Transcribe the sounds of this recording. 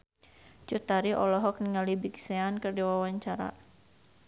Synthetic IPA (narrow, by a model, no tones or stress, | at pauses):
t͡ʃut̪aɾiʔɔlɔɦɔk̚niŋalibiksɛankɨrdiwawaɲt͡ʃaɾa̰